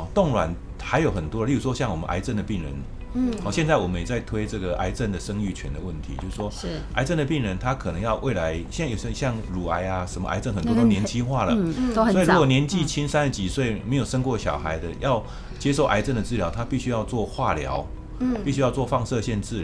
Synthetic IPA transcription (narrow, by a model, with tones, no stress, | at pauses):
t̪o˥˨˩ŋlwa˨˩n | xa˧˥ɪjo˨˩ʊxə˨˩nt̪wɔ˥ə˦li˥˩u˨˩ʂwɔ˥ɕjɑ˥˩ŋwɔ˨˩mə̰˦ʔa̰˧˥ɪt͡sə˥˩nd̪ə˩pi˥˩ŋɻə̰˧˦n | hɔ˥˩ɕjɛ˥˧nt͡sa˥ɪwɔ˨˩mə˦njɛ˨˩t͡sa˥˩ɪt̪ʰwe˥ɪʈ͡ʂɤ˥˩ɡə˩ʔa̰˧˥ɪt͡sə˥˩nd̪ə˩ʂə˥ŋy˥˩t͡ɕʰɥɛ̰˧˦˥nd̪ə˨wə˥˩nt̪ʰḭ˨˦t͡ɕjo˥˧ʊsʂwɔ˥˧ʔa˧˥ɪt͡sə˥˨˩nd̪ə˩pi˥˩ŋɻə˧˦nt̪ʰa˦˥kʰɤ˨˩nə˧˦ŋjɑ˥˧ʊwʔe˥˩ɪla˧˦ɪɕjo˨˩ɕə˥˩ɕjɑ˥˩ŋɻu˨˩a˧˥ɪa˧ʂə˧˦mə̰˧ʔa̰˧˥ɪt͡sə˥˩nxə˨˩nt̪wɔ˥˧t̪o˥ʊnjɛ˧˥nt͡ɕʰi˥xwa˥˩lə˩swɔ˧˥i˨ɻu˦˥kwɔ˨˩njɛ˧˦nt͡ɕi˥˧t͡ɕʰi˥nsa˥nə˨˩t͡ɕi˨˩swe˥˩ɪme˧˥ɪjo˨˩ʊʂə˥ŋkwɔ˥˩ɕjɑ̰˨˩ʊxa˧˦ɪd̪ə̰˧jɑ˥˧ʊ | t͡ɕjɛ˥ʂ̬o˥˩ʊʔa̰˧˥ɪt͡sə˥˩nd̪ə˩t͡sɹ̩˥˩ljɑ˧˥ʊt̪ʰa˥pi˥˩ɕy˥jɑ˥˧ʊt͡swɔ˥˧xwa˥˩ljɑ̰˧˦ʊ | pi˥˩ɕy˥jɑ˥˧ʊt͡swɔ˥˧fɑ˥˧ŋsɤ˥˧ɕjɛ˥˧nt͡sɹ̩˥˩